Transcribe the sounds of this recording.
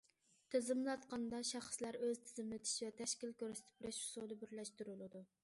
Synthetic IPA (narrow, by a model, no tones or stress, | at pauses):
t̪ʰɪzɪmlˠɑt̪qɑnd̪ɑʃɑχslæɾøzt̪ʰɪ̥zɪmlɪt̪ʰɪ̥ʃvɛt̪ʰɛʃkʲilkʲøɾsɪ̥t̪ʰɪ̥pbɾɛʃu̥sod̪ɨbɪɾlɛʃt̪uɾulˠɨd̪u